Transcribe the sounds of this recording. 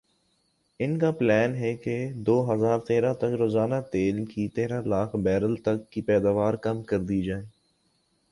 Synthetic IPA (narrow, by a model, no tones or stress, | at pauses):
ɪnkaplɛːnɦɛked̪oːɦɐzaːɾt̪eːɾat̪ɐkɾoːzaːnat̪eːlkit̪eːɾalaːkʰbɛːɾəlt̪ɐkːipɛːd̪aːʋaːɾkɐmkɐɾd̪ied͡ʒaːeː